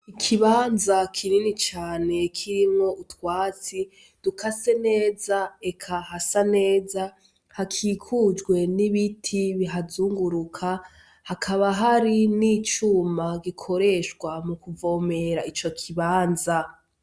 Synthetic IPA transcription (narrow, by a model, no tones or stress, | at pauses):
ikʰiβaːnzakʰininit͡ʃaːne̞kʰiɾimŋo̞ʔutwaːt͡si | d̥ukʰase̞ne̞ːzaekʰaɦasane̞ːza | hakʰiːkʰud͡ʒɡwe̞niβitʰiβiɦazuːŋɡuɾukʰa | hakʰaβaɦaɾiniːt͡ʃumaɡikʰo̞ɾe̞ʃɡwamukuvo̞ːme̞ɾait͡ʃo̞kʰiβaːnza